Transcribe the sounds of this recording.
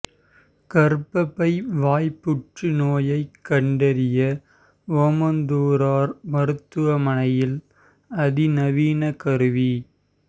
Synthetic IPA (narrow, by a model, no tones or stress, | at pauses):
kɐɾpɐpːɐɪʋaːjpːʊʈrinoːjɐɪkːɐɳɖɐɾɪjɐ | ʋoːmɐnd̪uːɾaːɾmɐɾɯt̪ːɯʋɐmɐnɐjɪl | ɐðinɐʋiːnɐkɐɾɯʋi